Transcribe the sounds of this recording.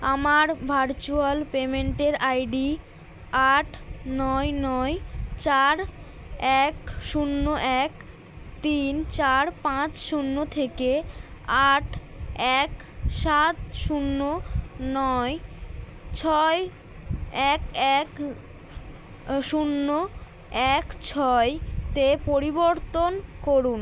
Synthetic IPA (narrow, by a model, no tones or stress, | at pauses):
amaɾbʱaɾt͡ɕualpemeɳʈeɾajɖi | aʈʰnɔjnɔjt͡ɕaɾ | ɛkʃunːoʔɛk | t̪int͡ɕaɾpãt͡ɕʃunːot̪ʰekeaʈʰ | ɛk | ʃat̪ʃunːonɔe | t͡ɕʰɔe | ɛkɛk | ʃunːo | ɛkt͡ɕʰɔet̪epoɾiboɾt̪onkoɾun